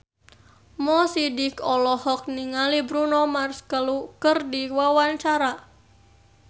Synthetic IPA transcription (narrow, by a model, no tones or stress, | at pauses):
mɔsidikɔlɔhɔk̚niŋalibɾunɔmarskəlukərdiwawant͡ʃaɾa